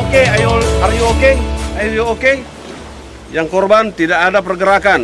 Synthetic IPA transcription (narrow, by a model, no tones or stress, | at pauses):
okeajoarjookeajojooke | jaŋkɔrbant̪idakadapərɡəɾakan